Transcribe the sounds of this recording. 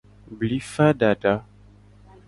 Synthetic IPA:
bli˨˦fa˦da˨da˦

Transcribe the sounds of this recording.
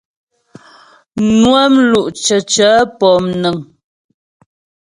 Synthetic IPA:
nwɛ˦mlu˦˨ʔt͡ʃə˨t͡ʃəː˨˦pɔ˨mnə˨ŋ

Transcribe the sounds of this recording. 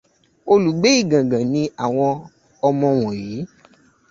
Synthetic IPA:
o˧lu˨ɡ͡be˨˦i˦˨ɡã˨ɡã˨nĩ˧a˨w̃ɔ̃˧ | ɔ˧mɔ̃˧w̃ɔ̃˨ji˨˦

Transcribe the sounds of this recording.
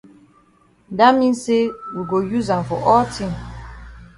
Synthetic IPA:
da˦mĩ˦nse˦wi˨ɡo˨ju˦zã˨mfɔ˨ʔɔ˦ltʰĩ˦˨m

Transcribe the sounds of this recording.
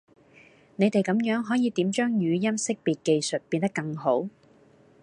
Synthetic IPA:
ne˨˧jt̪e˨jkɐ˨˥mjœː˨˥ŋɦɔː˨˥jiː˨˧t̪iː˨˥mt͡ʃœː˥ŋjyː˨˧jɐ˥msɪ˥k̚piː˨t̚ke˧jsɵ˨t̚piː˧nt̪ɐ˥kːɐ˧ŋɦo˨˥w

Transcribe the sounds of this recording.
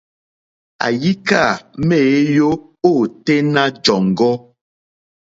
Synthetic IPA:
a̰˨ji˦ka˦˨me˦˨˦jo˦ | o˦˨te˦na˦d͡ʒɔ˨ŋ˨ɡɔ˦

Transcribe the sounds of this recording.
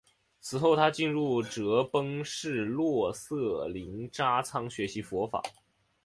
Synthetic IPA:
t͡sʰɹ̩˨˩xo˥˩ʊt̪ʰa˥t͡ɕi˥˧nɻu˥˩ʈ͡ʂɤ˧˥pɤ˥ŋʂɻ̩˥˧lwɔ˥˩sɤ˥˩li˧˥ŋʈ͡ʂa˥t͡sʰɑ˥ŋɕɥɛ˧˥ɕi˧˥fwɔ˧˥fa̰˨˩˦

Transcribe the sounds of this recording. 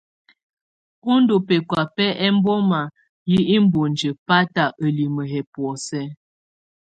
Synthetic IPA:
o˦n˦do˨pɛ˨kwa˨pɛ˦ʔɛ˦m˦bɔ˦ma˨ | ji˦i˦m˦bo˨nd͡ʒə˨pa˦ta˨ʔə˨li˨mə˨ɦɛ˨pwɔ˨sɛ˦

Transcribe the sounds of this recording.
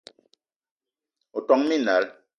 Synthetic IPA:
o˨tɔ˨ŋmi˦˨na˨˦l

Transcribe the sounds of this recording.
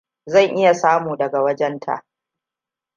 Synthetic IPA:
zɐ˦˨ŋʔɪ˦ja˨saː˦muː˨dɐ˨ɡa˨wɐ˦d͡ʒɛ˦ntʰa̰˨ʔ

